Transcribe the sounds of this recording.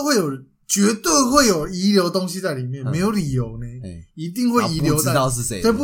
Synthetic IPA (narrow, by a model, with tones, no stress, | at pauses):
we˥˩ɪjo˨˩ | t͡ɕɥɛ˧˦t̪we˥˧ɪxwe˥˨ɪjo˨˩ʊi˨˦ljo˧ʊt̪ɔ˦ŋɕi˦t͡sa˥˩ɪli˨˩mjɛ˥˨nmẽ˧˦ɪjo˨˧˩ʊli˨˩jo˨˦ʊne˧˦i˧˦t̪i˥˧ŋxwe˥˨˩i˧˦ljo˧˦ʊa˥˨a˥˧˥pu˥˩